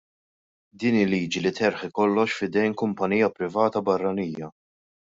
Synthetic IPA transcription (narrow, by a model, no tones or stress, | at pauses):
d̪iːnɪlːiːd͡ʒilɪt̪ɛɾħɪkɔlːɔʃfɪd̪ɛjnkʊmpɐniːjɐpɾɪvɐːt̪ɐbɐrːɐniːjɐ